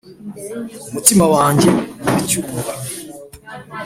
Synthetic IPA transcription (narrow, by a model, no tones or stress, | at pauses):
umutimawaːɲɟeuβicuːɡa